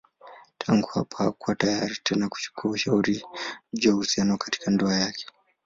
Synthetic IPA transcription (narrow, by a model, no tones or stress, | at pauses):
tʰaŋɡuhapahakuwatajaɾitʰɛnaku̥t͡ʃu̥kuauʃauɾid͡ʒɔhusianwakḁti̥kandɔajakʰɛ̥